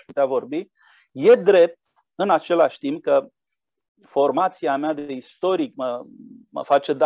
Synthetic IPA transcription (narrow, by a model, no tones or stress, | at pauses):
ʃput̪eavo̞rbi | je̞d̪ɾe̞p̚t̪̚ | ɨnat͡ʃe̞laʃʲt̪imp̚kə | fo̞rmat̪siamead̪e̞ist̪o̞ɾikməmə̰fat͡ʃe̞d̪